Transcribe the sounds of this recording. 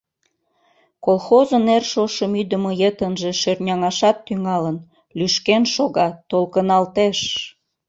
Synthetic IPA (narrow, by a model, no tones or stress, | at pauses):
kolˠxozənːerʃoʃəmyd̪əmojet̪ənʒeʃørnʲɑŋɑʃɑt̪ːyŋɑlən | lyʃkenʃoɣɑt̪ːolkənɑlt̪eʃ